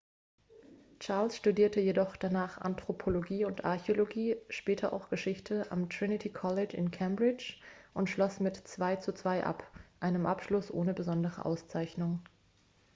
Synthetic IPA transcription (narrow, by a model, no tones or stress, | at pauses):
t͡ʃaɐlsʃtudiːɐtəjedɔχd̥anaːχʔa̰ntʁ̥opʰoloɡiːʊntʔa̰ɐçeoloɡiːʃpɛːtʰɐʔa̰ʊxɡ̥əʃɪçtʰəʔa̰mtʁ̥ɪnɪtʰiːkʰɔlɪt͡ʃɪ̰nkʰɛmbʁɪt͡ʃ | ʔʊntʃlɔsmɪtt͡sv̥aɪt͡sut͡sv̥aɪʔa̰pʔaɪnəmʔapʃlʊsʔoːnəbəzɔndəʁə̰ʔa̰ʊst͡saɪçnʊŋ